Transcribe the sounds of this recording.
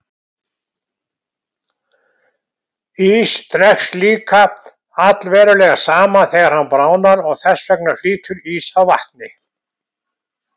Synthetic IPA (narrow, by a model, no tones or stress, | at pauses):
iːst̪ɾɛxsliːkʰa | at̪lvɛːɾʏlɛːɣḁsaːmaθɛːɣaɾhanːpɾaːwnaɾɔɣθɛsvɛk̚naɾ̥fiːt̪ʰʏɾiːsawvaht̪nɪ